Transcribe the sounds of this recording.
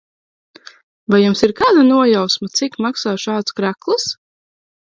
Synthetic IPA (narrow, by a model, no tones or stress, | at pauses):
vajjumsiɾkaːd̪anuɔjawsmat̪sikmaksaːʃaːd̪skɾæklˠɨs